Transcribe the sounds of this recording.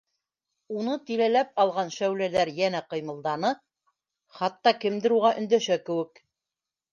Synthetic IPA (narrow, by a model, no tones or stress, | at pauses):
unɤt̪ilælæp̚ɑlˠʁɑnʃæwlælæɾjænæqɤ̆jmɤ̆lˠd̪ɑnɤ | χɑt̪ːɑkɘ̆md̪ɘ̆ɾuʁɑʔɵ̆nd̪æʃækɘ̆wɘk